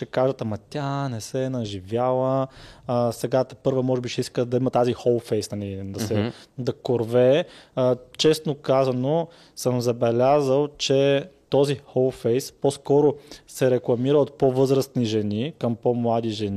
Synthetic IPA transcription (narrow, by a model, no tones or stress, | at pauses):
ʃɛkaʒət̪ɐmɐt̪ʲanɛsɛnɐʒivʲjalˠə | sɛɡat̪pɤɾvəmɔʒɛbiʃɛiskəd̪ɐimɐt̪azixɔlˠfɛjsnɐlid̪ɐsɛd̪ɐkoɾvɛ | t͡ʃɛsnokazɐno | səmzɐbɛlʲazəlˠt͡ʃɛt̪ɔzixɔlˠfɛjsposkɔɾosɛɾɛklˠɐmiɾəot̪̚povɤzɾəst̪niʒɛnikɐmpomlˠad̪iʒɛn